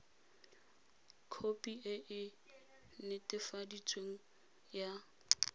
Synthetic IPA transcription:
kʰopʼiʔɪʔɪ | nɪtʼɪfadit͡sʼweŋ̩ | ja

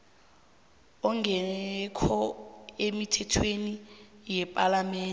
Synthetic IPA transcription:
ɔŋɡɛɛkʰɔemitʰɛtʰwenijɛpʼalamɛːn

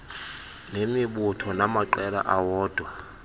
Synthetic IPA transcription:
nemɪbʊtʰɔnamaǃɛla̰ʔawɔːd̥ʱwa

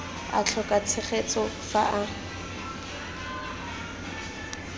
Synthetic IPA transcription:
a̰t͡ɬʰɔkat͡sʰɪχet͡sʼɔfaʔa

